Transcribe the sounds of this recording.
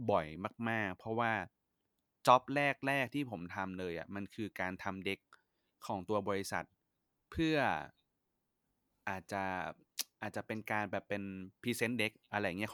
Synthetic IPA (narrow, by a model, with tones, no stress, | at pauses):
bɔ˨˩jmaː˥˩k̚maː˥˩k̚pʰɔ˦˥waː˥˩ | t͡ɕɔ˦˥p̚ɾɛː˥˩k̚ɾɛː˥˩k̚t̪ʰiː˥˩pʰo˩˦mt̪ʰa˧mlɤː˧jʔa̰˨˩ma˧nkʰɯː˧kaː˧nt̪ʰa˧mde˦˥kʰː | ɔː˩˦ŋt̪u˧ɐbɔː˧ɾi˧˥sa̰˨˩t̪̚ | pʰɯ˥˩ɐ | ʔaː˨˩t̪̚t͡ɕa˨˩ | ʔaː˨˩t̪̚t͡ɕa˨˩pe˧nkaː˧nbɛː˨˩pːe˧npʰiː˧se˦˥nde˦˥k̚ʔa˧ɾa˧ja˨ŋi˦˥˨